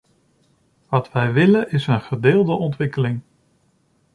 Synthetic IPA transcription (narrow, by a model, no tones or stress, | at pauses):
ʋɑtʋɛjʋɪlənɪsənχədɪːlˠdəʔɔntʋɪkəlɪŋ